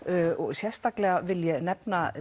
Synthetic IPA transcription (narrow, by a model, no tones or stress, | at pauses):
ɔɣsjɛst̪aklɛɣavɪljɛnɛpna